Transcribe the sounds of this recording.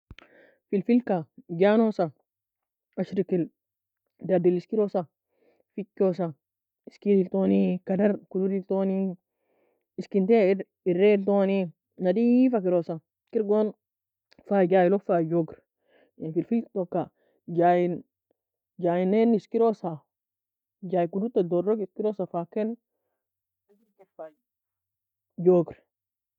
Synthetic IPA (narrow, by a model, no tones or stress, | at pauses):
filfilkaɡanosa | aʃɾikil | dadiliskiɾosa | fikːosa | iskidiltonikadaɾkududiltoni | iskinte | iɾːeltoni | nadifakiɾosa | kiɾɡon | fad͡ʒaːilofad͡ʒoɡɾ | nfilfitokːa | d͡ʒajin | d͡ʒajineniskiɾosa | d͡ʒaːjikudut̪ːadoɾːɔkiskiɾosafaken | ad͡ʒiɾkɛfa | d͡ʒoɡɾ